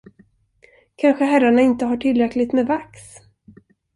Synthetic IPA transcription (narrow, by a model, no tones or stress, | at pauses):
kʰanɧəɦæɾːaɳaɪnt̪əɦaʈʰɪlːɾɛklɪɡt̪mɛːvaks